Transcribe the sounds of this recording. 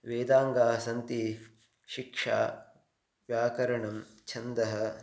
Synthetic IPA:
ʋeːd̪aːŋɡaːsɐnt̪i | ʃikʂa̰ː | ʋjaːkɐɾɐɳɐm | t͡ʃʰɐnd̪ɐɦɐ

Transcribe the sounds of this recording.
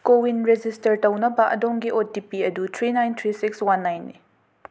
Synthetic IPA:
kowinɾed͡ʒistɐɾtɐwnɐbɐʔɐ̰dɔŋɡiʔotipiɐdut̪ʰɾinajnt̪ʰɾisikswanːajnːḭ

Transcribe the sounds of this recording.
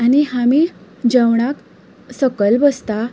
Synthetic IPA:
anihami | d͡ʑəʋɳ̃ak | səkəlbəst̪a

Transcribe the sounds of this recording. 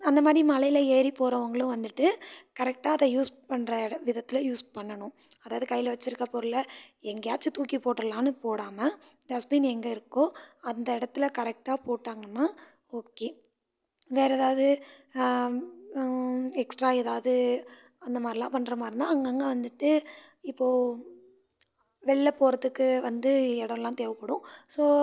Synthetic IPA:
ɐnd̪ɐmaːðɾimɐlɐjɪlɐeːɾipoːɾɐʋɐŋɡɐɭʊ̃ʋɐnd̪ɯʈːɯkɐɾɛk̚ʈaːɐðɐjuːspɐɳːɾɐɪɽɐʋɪðɐt̪ːɪlɐjuːspɐɳːɐnʊ̃ɐðaːʋɐðɯkɐjɪlɐʋɐt͡ʃːɪɾɯkːɐpoːɾlɐɛŋɡɐjaːt͡ʃːɯt̪uːkːipoːʈːɾɐlaːnɯpoːɽaːmɐd̪ɐsbiːnɛŋɡɐɪɾɯkːʊ̃ɐnd̪ɐɪɽɐt̪ːɪlɐkɐɾɛk̚ʈaːpoːʈːaːŋɡɐnːaː | oːkːeː | ʋeːɾɛðaːʋɐðɯ | ɛksʈɾaːɛðaːʋɐðɯ | ɐnd̪ɐmaːd̪ɾɪlãːpɐnːɾɐmaːd̪ɾɪnaːɐŋɡɐŋɡɐʋɐnd̪ɯʈːɯɪpːoː | ʋɛɭːɐpoːɾɐðɯkːɯʋɐnd̪ɯɛɽɐʋlãːt̪eːʋɐpːɐɽʊ̃soː

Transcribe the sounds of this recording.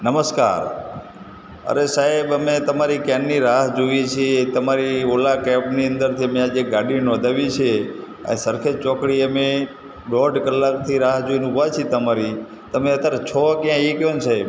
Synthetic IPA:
nəməska̰ɾ | ə̰ɾesaɦebəmet̪əmaɾikɛnːiɾaɦd͡ʒoʋit͡ʃʰet̪əmaɾiolakɛpniə̃nd̪əɾt̪ʰiəmẽad͡ʒeɡaɖinɔd̪ʱaʋit͡ʃʰe | ə̰nesəɾkʰet͡ʃɔkɽiəme | bɔɖkəlːakt̪ʰiɾaɦd͡ʒoʋinũɦat͡ʃʰet̪əmaɾi | t̪əmeət̪əɾt͡ʃʰɔkjãikjonsaɦeb

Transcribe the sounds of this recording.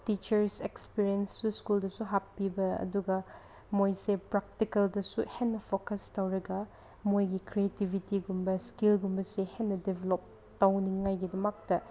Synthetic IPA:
tit͡ʃɐɾsekspiɾiensːuskuldɐsuɦapːibɐɐ̰duɡɐ | mojsepɾak̚tikɐldɐsuhenːɐpʰokɐstawɾɐɡɐ | mojɡikɾietibʱitiɡumbɐskilɡumbɐsehenːɐdebelop̚ | tawniŋːajɡidɐmɐk̚tɐ

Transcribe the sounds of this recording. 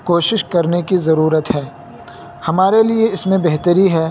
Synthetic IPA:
koːʃɪʃkɐɾnekizɐɾuːɾət̪ɦɛː | hɐmaːɾelieɪsmẽbɛɦt̪əɾiɦɛː

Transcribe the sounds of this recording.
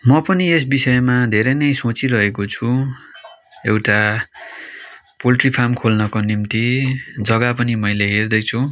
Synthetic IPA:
mʌpʌnies̬bisʌemad̪ʱeɾʌjnʌjsot͡siɾʌɦekot͡sʰu | ewʈa | polʈripʰamkʰolnʌkonimt̪id͡zʌɡapʌnimʌjleɦerd̪ʌjt͡sʰu

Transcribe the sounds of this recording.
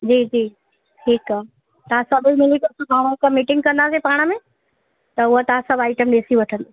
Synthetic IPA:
d͡ʑiːd͡ʑiː | ʈʰiːkaɦ | t̪ɐɦãsɐbʱimɪlit̪ɐsubʱaːɽ̃õekəmiʈɪ̃ŋɡ̚kɐ̃nd̪aːsepaːɽ̃əmẽ | t̪ɐʊɦot̪ɐãsɐbʱaːɪʈəmɗeːsiʋɐʈʰə̃nd̪o

